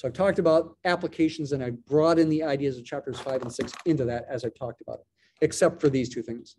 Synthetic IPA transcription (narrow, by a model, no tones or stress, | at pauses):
soʊaɪv̥tʰɔk̚tɨbaʊɾæpləkʰeɪʃn̩zɨ̃ñaɪbɹɔɾɨ̃nðiaɪdiɨzʌv̥t͡ʃʰæp̚tə˞z̥faɪṽn̩sɪksɪ̃ntʉðɨɾɨzaɪv̥tʰɔk̚təba̰ʊɾɨt̚ | ɨksɛp̚tfə˞ðiz̥tʰʉθɪ̃ŋz̥